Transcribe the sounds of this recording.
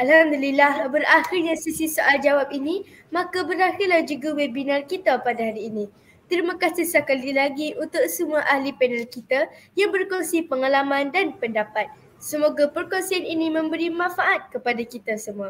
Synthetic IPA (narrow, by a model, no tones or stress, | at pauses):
ʔalhamd̪ulilahbəɾaxirɲasisisuʔald͡ʒawap̚inĩ | mãkabəɾaxɪrlahd͡ʒuɡawɛbinarkit̪apadaɦaɾiːnĩ | t̪əɾimãkasihsakalilaɡiʔunt̪ʊksəmuaʔahlipɛnəlkit̪ajaŋbərkɔŋsipəŋalamãndanpəndapat̪̚ | səmoɡapərkɔnsianinĩmə̃mbəɾimãnfaʔat̪̚kəpadakit̪asəmũa